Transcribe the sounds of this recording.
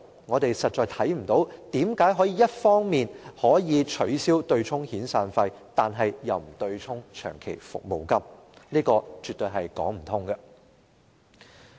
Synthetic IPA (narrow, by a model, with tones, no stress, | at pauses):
ŋɔː˨˧t̪e˨jsɐ˨t̚t͡ʃɔː˨˧jt̪ʰɐ˨˥jm̩˨˩t̪o˨˥wt̪iː˨˥mkaː˨˥jɦɔː˨˥jiː˨˧˥jɐ˥t̚fɔː˥ŋmiː˨nhɔː˨˥jiː˨˧t͡ʃʰɵ˨˥ɥsiː˥wt̪ɵ˧ɥt͡sʰʊ˥ŋhiː˨˥nsaː˧nfɐ˧jt̪aː˨nɦɐ˨jjɐ˨wm̩˨˩t̪ɵ˧ɥt͡sʰʊ˥ŋt͡ʃʰœ̰ː˨˩ŋkʰe˨˩jfʊ̰˨k̚mo˨wkɐ˥m | niː˥kɔː˧t͡ʃyː˨˩t̪ɵ˧ɥɦɐ˨jkɔ̰ː˨˥ŋm̩˨˩t̪ʰʊ˥ŋɡɐ˧